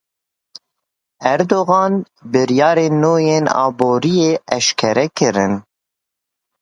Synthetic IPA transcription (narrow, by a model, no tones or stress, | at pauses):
ɛɾd̪oːɣɑːn | bɨɾjɑːɾeːnːoːjeːnɑ̰ːboːɾijeːɛʃkʰɛɾɛkɨɾɨn